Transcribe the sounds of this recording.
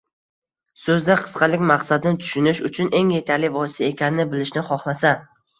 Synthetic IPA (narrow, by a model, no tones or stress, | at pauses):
sɵzd̪aqʰɨ̥sqɑlɪkʲmaqsad̪ɪnɪt̪ʰʊ̥ʃʊnɪʃʊt͡ʃʰʊne̞ŋje̞t̪ʰaɾlɪvɒɪsaekʲʰanɪnɪbɪlɪʃnɪχɒχlˠasa